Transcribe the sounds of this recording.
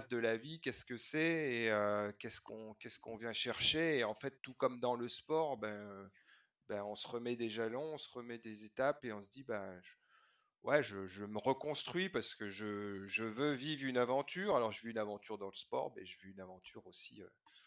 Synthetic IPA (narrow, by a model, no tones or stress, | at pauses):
sd̪əlavikʲɛskəsɛeøkʲɛskɔ̃kʲɛskɔ̃vjɛ̃ʃɛʁʃeːɑ̃fɛt̪ːukɔmd̪ɑ̃ləspɔʁbɛ̃ø | baɔ̃səʁəmɛd̪eʒalɔ̃ɔ̃səʁəmɛd̪ezet̪apeɔ̃səd̪ibaʒ | wɛʒəʒəməʁəkɔ̃st̪χɥipaʁsə̥kəʒəʒəvøvivʁynavɑ̃t̪yʁalɔʁʒəvyynavɑ̃t̪yʁd̪ɑ̃ləspɔ̰ːʁmɛʒəvyːnavɑ̃t̪ʰyʁosiø̰